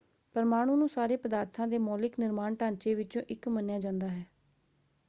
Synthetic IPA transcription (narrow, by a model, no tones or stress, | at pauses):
pəɾmaːɽ̃ũːnũːsaːɾeːpəd̪aːɾt̪ʰãːd̪eːmɔːlɪknɪɾmaːɳʈãːnt͡ʃeːʋɪt͡ʃõ̰ːʔɪkmənjaːd͡ʒãːnd̪aːɦɛː